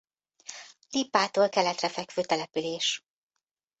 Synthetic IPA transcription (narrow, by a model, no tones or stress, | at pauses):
lipːaːt̪oːlkɛlɛt̪rɛfɛkføːt̪ɛlɛpyleːʃ